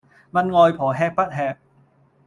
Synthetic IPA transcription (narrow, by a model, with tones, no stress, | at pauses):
ma˧nŋɔː˧jpʰɔː˨˩˦ɦɛː˧k̚pɐ˦˥t̚hɛː˧k̚